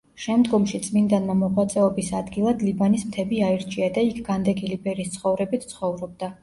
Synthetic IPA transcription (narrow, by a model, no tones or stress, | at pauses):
ʃɛmd̪ɡɔmʃit̪sʼmind̪anmamɔʁwat̪sʼɛɔbisad̪ɡilˠad̪libanismt̪ʰɛbiaiɾt͡ʃʰʼiad̪aikʰɡ̥and̪ɛɡilibɛɾiːst̪sʰχɔvɾɛbit̪ʰt̪sʰχɔvɾɔb̚d̪a